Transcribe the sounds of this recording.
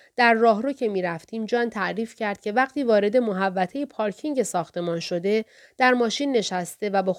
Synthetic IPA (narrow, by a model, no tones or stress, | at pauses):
d̪̥æɾːɒːɦɾocʰe̞miːɾæft̪ʰiːmd͡ʒɒːnt̪ʰæʔɾiːfcʰæɾd̪̚cʰʲe̞væqt̪ʰiːvɒːɾe̞d̪e̞moɦævːæt̪ʰejepʰɒːɾcʰiŋɟe̞sɒːxt̪ʰe̞mɒːnʃo̞d̪e̞ | d̪̥æɾmɒːʃiːnːe̞ʃæst̪e̞væbe